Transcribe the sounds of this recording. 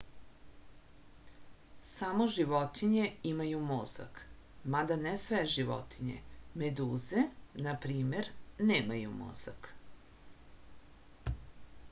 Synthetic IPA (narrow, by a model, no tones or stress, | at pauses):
samoʒiʋot̪iɲe̞imajumoza̰k | mad̪anesʋeʒiʋo̰t̪ʰiɲḛmed̪uːze̞napɾiːme̞ɾneːmajumo̰z̥a̰k